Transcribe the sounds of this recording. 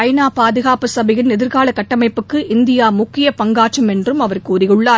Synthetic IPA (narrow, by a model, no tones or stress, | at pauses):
ɐɪnaːpaːðɯɣaːpɯsɐbɐjɪnɛðɪɾɣaːlɐkːɐʈːɐmɐɪpːɯkːɯʔɪnd̪ɪjaːmʊkːɪjɐpɐŋɡaːʈt͡ʃɐmɛndrɯmɐʋɐrkuːɾɪjɯɭːaː